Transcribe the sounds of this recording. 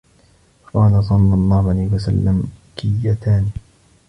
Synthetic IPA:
qɑːlas̬ˤɑlːɑlˤːɑːhʊʕalaːhwasalːamkɪjːat̪aːn

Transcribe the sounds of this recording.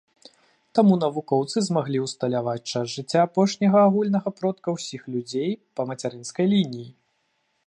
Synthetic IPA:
t̪amun̪ɐvukɔwt̪sɨzmaɣlʲiwst̪ɐlʲavat͡sʲt͡ʂazʐɨt͡sʲːaːpɔʂnʲɐɣɐːɣulʲnɐɣɐpɾɔt̪kɐwsʲixlʲud͡zʲejpɐmɐt͡sʲaɾɨnskɐjlʲinʲiji

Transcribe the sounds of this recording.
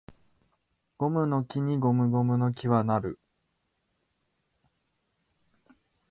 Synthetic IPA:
ɡ̥o̞mɯ̟no̞kʲiɲ̟iɡo̞mɯ̟ɡo̞mɯ̟no̞kʲiβanaɾɯ̟

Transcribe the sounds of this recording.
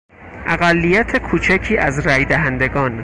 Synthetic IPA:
ʔæɣælːijæt̪ʰe̞kʰuːt͡ʃʰæcʰiːʔæzɾæjd̪æɦænd̪e̞ɡɒːn

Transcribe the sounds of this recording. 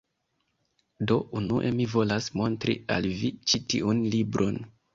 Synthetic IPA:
do̞ʔunuʔe̞mivo̞lasmo̞ntɾḭa̰lvit͡ʃitḭʔunlibɾʔo̞n

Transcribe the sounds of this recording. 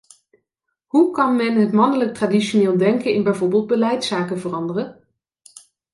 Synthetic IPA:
ɦukɑnmɛnɦətmɑndələk̚traːdiʃoneːlˠdɛŋkənɪnbɛjvoɹbeːlˠd̚bəlɛjtsaːkəvərɑndərə

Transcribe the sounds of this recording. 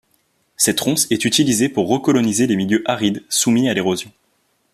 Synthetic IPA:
sɛt̪ʁɔ̃sɛt̪yt̪ilizepuʁːəkɔlɔnizelemiljøʔaʁid̪sumialeʁozjɔ̃

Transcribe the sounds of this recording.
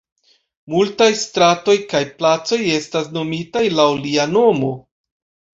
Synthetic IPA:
multajstɾato̞jkajplat͡so̞je̞stas̬no̞mitajlawliano̞mo̞

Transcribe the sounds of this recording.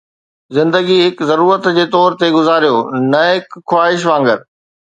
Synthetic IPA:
zɪ̃nd̪əɡiɦɪkzɐɾuːɾət̪d͡ʑeːt̪ɔːɾt̪eɡʊzaːɾijoːnɐɦɪkxwaːɦɪʃ̬ʋãːŋɡəɾ

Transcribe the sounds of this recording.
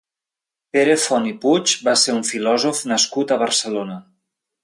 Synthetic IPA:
peɾefɔniput͡ʃbaseɾuɱfilɔzufnəskut̪əβ̞əɾsəlonə

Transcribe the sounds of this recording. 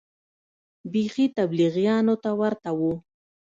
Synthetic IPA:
biχit̪abliɣjɑnot̪awaɾt̪awu

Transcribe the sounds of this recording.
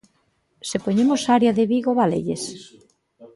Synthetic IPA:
sepoɲemosaɾjaðeβiɣoβalḛʎes

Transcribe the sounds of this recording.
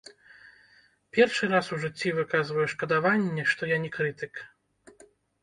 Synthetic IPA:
pʲɛrʂɨɾasuʐɨt͡sʲːivɨkazvɐjɛʂkɐd̪avanʲːɛʂt̪ɔjanʲɛkɾɨt̪ɨk

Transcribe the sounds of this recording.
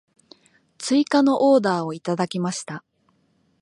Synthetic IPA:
t͡sɨikano̞ʔo̞ːd̪aːo̞it̪ad̪akʲimaɕi̥t̪a

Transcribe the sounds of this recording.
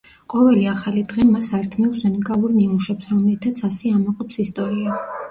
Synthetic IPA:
qʼɔvɛliaχalid̪ʁɛmasaɾt̪ʰmɛɔsɛnɛkʼalˠuɾniuʃɛpsɾɔmlit̪ʰat̪sʰasɛamɔqʼɔpsist̪ʼɔɾia

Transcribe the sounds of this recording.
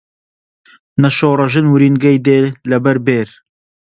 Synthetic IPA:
nɐʃoːrˤɐʒɨnwɨɾiːnɡɐjd̪eːlɐbɐɾbeːɾ

